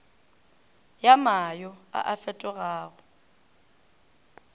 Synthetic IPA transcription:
jamajɔa̰ʔafɛtʼɔɣaːɣʊ

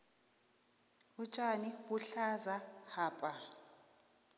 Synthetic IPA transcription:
ut͡ʃʼaniɓuɬazahaːpʼa

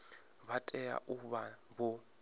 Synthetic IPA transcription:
βatʼɛja̰ʔuβa | βɔ

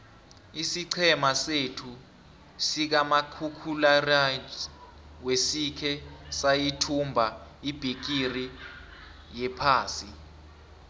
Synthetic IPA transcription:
isiǀʰɛmasetʰu | sik̬amakʰukʰulara | wesikʰɛsajitʰumbʱaib̥ʱik̬iri | jɛpʰaːsi

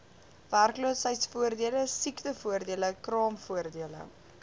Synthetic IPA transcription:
værkluəsəjtsfuərdiələsiktəfuərdiələkrɑːmfuərdiələ̰

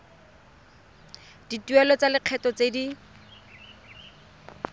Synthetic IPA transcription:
d̥ituɛlɔt͡salɪq͡χʰɛtɔt͡sedi

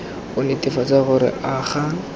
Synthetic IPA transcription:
ʊnetɪfat͡saɣʊɾɪ̰ʔaχa

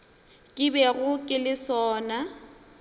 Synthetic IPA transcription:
kʼɪbɛɣʊkʼɪlɪsɔːna

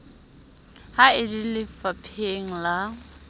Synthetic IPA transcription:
haɪdilɪfapʰeŋ̩la

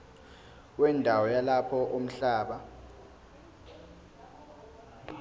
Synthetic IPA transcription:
wɛndʱawɔjalapʰɔʔom̩ɬaːɓa

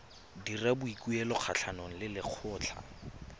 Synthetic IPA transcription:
dirabʊikuɛlɔk͡xʰat͡ɬʰanɔŋ̩lɪlɪq͡χʰʊːt͡ɬʰa̰

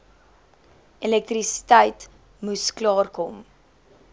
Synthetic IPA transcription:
ɛlɛk̚t̪risi̥təjt | musklɑːrkɔm

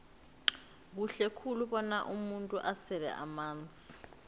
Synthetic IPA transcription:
k̬uɬɛkʰuluɓɔnaʔumuntʼuʔasɛlɛ̰ʔamaːnd͡zʱʼi̥

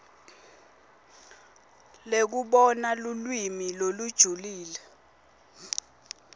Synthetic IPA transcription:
lek̬uɓɔnalulwimilolud̥ʒ̥ʱuliːlɛ

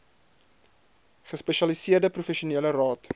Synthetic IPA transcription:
χəspɛʃɑlisiərdəprufɛʃuniələrɑːt

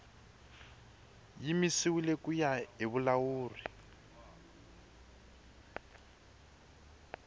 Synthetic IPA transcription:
jimisiwilekujaiβulawuːri

